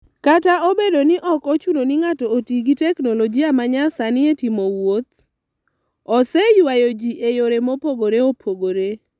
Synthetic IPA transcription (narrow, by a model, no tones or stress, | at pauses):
kataobedonɪʔɔkot͡ʃunonɪŋatɔːtiɡitɛknɔlɔd͡ʒiamaɲasanɪetimowot̪̚ | ɔsɛjwajod͡ʒiʔejoɾemopoɡoɾeopʰoɡoɾe